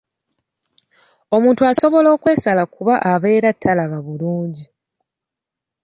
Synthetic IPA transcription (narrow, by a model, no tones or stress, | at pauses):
o̞muːntuaso̞βo̞lo̞ːkwe̞ːsalakuβaʔaβe̞ːɾatʰːalaβaβuluːɲɟi